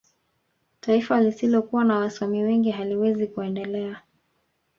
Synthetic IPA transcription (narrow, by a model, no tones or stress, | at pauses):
taifalisilɔkuwanawaswamiwɛŋɡiɦaliwɛzikuɛndɛlɛa